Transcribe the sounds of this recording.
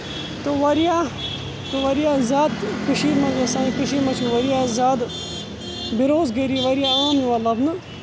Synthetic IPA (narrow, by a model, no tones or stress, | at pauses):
t̪oʋɐɾijaː | t̪oʋɐɾijaːzaːd̪kɨʃiːmɐljasaːĩkɨʃimɐt͡ʃʰunʋɐɾijaːzaːd̪ | biɾoːzɡeɾiʋɐɾijaaːmjiʋɐlɐbnɨ